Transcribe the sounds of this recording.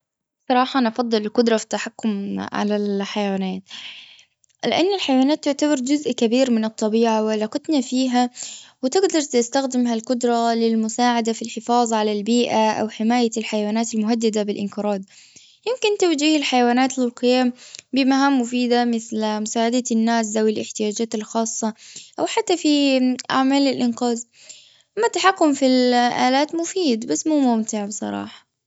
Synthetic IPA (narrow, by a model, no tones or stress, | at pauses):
sˤɑɾˤɑːħɑnʔɑfɑd̪ˤːɨlɪlqʊd̪ɾˤɑfi̥t̪ːaħakːʊmʕa̰lalħajawaːnaːt̪ | lɪʔanːɪlħajawaːnaːt̪ːʊʕt̪abɑɾˤd͡ʒʊzʔkabiːɾmɪnɨt̪ˤːɑbiːʕawɪalɑːqɑt̪nafiːɦawɪt̪ɪɡd̪ɑɾˤt̪ɪst̪axd̪ɪmɦalqʊd̪ɾˤɑlɪlmʊsaːʕad̪afilħɪfɑːðˤʕalalbiːʔaʔa̰wħɪmaːjalħajawaːnaːt̪ɪlmʊɦad̪ːad̪abɪlʔɪnkɪɾˤɑːd̪ | jɪmkɪnt̪awd͡ʒiːhɪlħajawaːnaːt̪lɪlqɪjaːmbɪmaɦaːmːʊfiːd̪amɪθlmʊsaːʕad̪anːaːs̬zawɪlʔɪħt̪ɪjaːd͡ʒaːt̪ɪlxɑːsˤːɑʔawħat̪ːafiʔa̰ʕmaːlɪlʔɪnqɑːð | amːat̪ːaħakːʊmfilʔaːlaːt̪mʊfiːd̪basːmuːmʊmt̪ɪʕbɨsˤɑ̰ɾˤɑ̰ːħɑ̥